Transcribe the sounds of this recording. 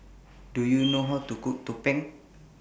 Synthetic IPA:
ɖ̥ujunuɦɔd̪̥ṳkuʔt̪upɪŋ

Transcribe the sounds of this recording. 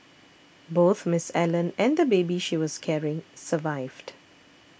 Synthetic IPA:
boːt̪ʰmɪsɛlə̃nɛ̃nd̪əbeːbiʃiwɔz̥kʰɛɹɪ̃ŋsəvaɪvd

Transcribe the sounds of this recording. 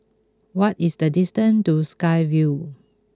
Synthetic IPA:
wɔtisdədistə̃ntuskaɪvju

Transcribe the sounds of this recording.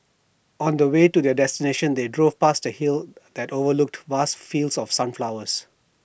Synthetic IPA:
ɔ̃ndəweːtudɛdɛstineʃə̃nd̪edɹovpastdəhild̪̥ɛtovəlʊk̚tvastfilsɔfsãnflaʊəs

